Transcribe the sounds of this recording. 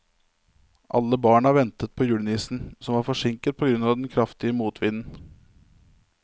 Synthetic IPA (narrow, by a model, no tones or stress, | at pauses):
ʔɑ̰lːəbɑːɳɑːɾʋɛnt̪ət̪̚pʰɔjʉːɽniːsn̩sɔmʋɑːɾfɔʂɪŋkət̪̚pʰɔɡɾʉnɑːʋd̪ɛnkʰɾɑft̪ɪəmuːt̪ʰʋɪnn̩